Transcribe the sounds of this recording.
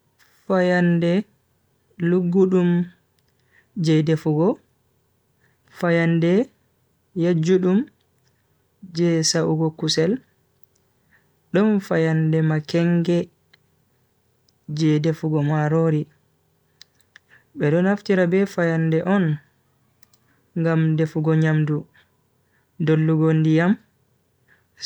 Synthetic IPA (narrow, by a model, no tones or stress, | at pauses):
fajandɛ | luɡːuɗum | d͡ʒɛdefuɡɔ | fajandɛ | jad͡ʒuɗum | d͡ʒɛsaʔuɡɔkusɛl | ɗɔnfajandɛmakɛŋɡɛ | d͡ʒɛdefuɡɔmaɾoɾi | ɓɛɗɔnaftiɾabɛfajandɛʔɔn | ŋɡamdefuɡɔɲamdu | dolːuɡondijam